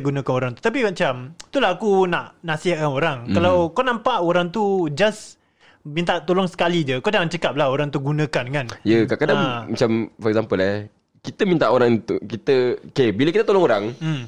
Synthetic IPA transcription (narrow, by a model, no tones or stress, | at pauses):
ɡunãkanoɾaŋt̪u̥t̪ap̬imat͡ʃamt̪ulaakunaʔnasiɦakanoɾaŋkalawkanãmpaʔoɾaŋt̪ud͡ʒas | mint̪aʔt̪olɔŋsə̥kalid͡ʒəkadaŋant͡ʃəkap̚laɦoɾaŋt̪uɡunə̃kankanjəkakadaŋmat͡ʃamfɔɾɛk̚zampəla | kit̪əmint̪aʔoɾaŋt̪ukit̪əkebiləkit̪ət̪olɔŋoɾaŋ̩